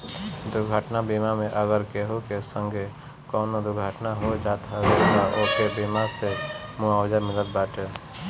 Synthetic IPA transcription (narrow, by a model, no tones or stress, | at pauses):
d̪ʊɾɡʱəʈnabimameʔəɡəɾkeɦokesə̃ŋɡʱe | kɔːnod̪uɾɡʱəʈnaɦod͡ʒat̪ɦəɡəɾnaʔokebimasemuawd͡ʒamɪlət̪̚baʈe